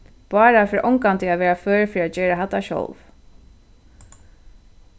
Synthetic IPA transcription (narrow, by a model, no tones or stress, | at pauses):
b̥ɑːɾafɪɾʔɔŋkant̪ɪaʋɛːɹaføːɹfɾiad͡ʒɛːɾaɦat̪ːaʃɔ̰wv